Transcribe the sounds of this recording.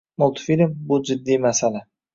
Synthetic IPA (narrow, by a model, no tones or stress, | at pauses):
mʊlˠt̪ʰfilʲmbʊd͡ʒɪd̪ːimasala